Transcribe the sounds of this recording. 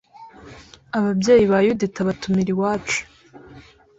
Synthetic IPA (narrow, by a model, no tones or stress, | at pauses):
aβabje̞ːjiβajuditaβatumiɾiwaːt͡ʃu̥